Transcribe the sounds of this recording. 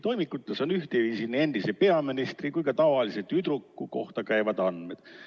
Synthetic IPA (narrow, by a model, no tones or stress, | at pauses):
t̪o̞jmikːˑut̪ːˑeso̞nyht̪eviːsinie̞nd̪̥isepe̞ɑminist̪rikujkɑt̪ɑvɑliset̪yd̪ɾukːˑuko̞ht̪ɑkæjvɑd̪ɑnme̞d̪̥